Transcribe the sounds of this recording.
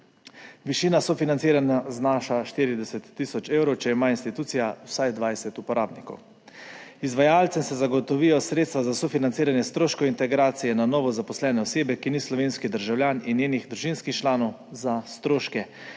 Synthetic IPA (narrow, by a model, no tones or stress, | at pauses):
ʋiʃiːnasɔfinant̪siːɾanaznaːʃaʃt̪iːɾid̪ɛsɛt̪ːisɔt͡ʃeːwɾɔwt͡ʃɛimaːinst̪it̪uːt̪sijawsajd̪ʋajsɛt̪upɔɾaːbnikɔ̰w | izʋajaːlt̪sɛmsɛzaɡɔt̪ɔʋijɔsɾeːt̪st̪ʋazasofinant̪siːɾanjɛst̪ɾoːʃkɔint̪ɛɡɾaːt̪sijɛnanɔːʋɔzapɔslɛːnɛɔseːbɛkinislɔʋeːnskid̪əɾʒawljaːninjeːniɣd̪ɾuʒinskixt͡ʃlaːnɔw | zast̪ɾoːʃkɛ